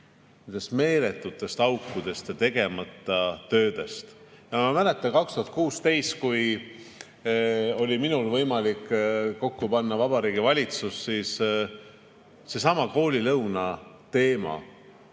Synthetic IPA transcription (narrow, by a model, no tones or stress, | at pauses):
nend̪̥e̞st̪me̞ːle̞t̪ːˑut̪ːˑe̞st̪ɑwkːˑud̪̥e̞st̪jɑt̪e̞ɡ̥e̞mɑt̪ːˑɑt̪ø̞ːd̪̥e̞st̪ | jɑmɑmæle̞t̪ːˑɑnkɑkst̪uhɑt̪̚kuːst̪e̞jst̪̚kuj | o̞lʲiminulvɤjmɑlikːo̞kːupɑnːɑvɑbɑɾiːɡivɑlʲit̪susːiːs | se̞sɑmɑko̞ːlʲilɤwnɑ | t̪e̞ːmɑ̰